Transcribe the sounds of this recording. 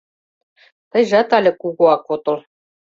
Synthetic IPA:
t̪ɤ̆jʒɑt̪ɑlʲɘ̆kuɣuɑkot̪ɤ̆lˠ

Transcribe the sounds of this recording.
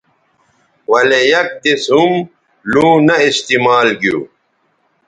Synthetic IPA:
wɐlejɐk̚d̪isɦum | lũːnɐist̪imaːlɡjṵː

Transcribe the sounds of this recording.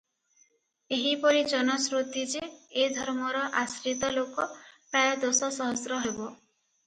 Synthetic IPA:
eɦipɔɾid͡ʒɔnɔsɾut̪id͡ʒeːd̪ʱɔɾmɔɾɔʔasɾit̪ɔlokɔpɾajɔd̪osɔsɔɦɔsɾɔɦebɔ

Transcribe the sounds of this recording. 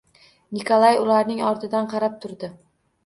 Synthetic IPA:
nɪkʰolˠajʊlˠaɾnɪŋɒɾt̪ʰɪd̪anqʰɑɾap̚t̪ʰʊɾd̪ɪ

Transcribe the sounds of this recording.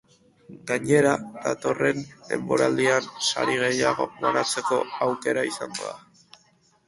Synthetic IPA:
ɡaɲe̞ɾad̪at̪o̞re̞nde̞̰mbo̞ɾald̪iansa̰ɾiɣ̞e̞jaɣ̞o̞̰βanat͡se̞ko̞awke̞ɾaisaŋɡo̞̰ða

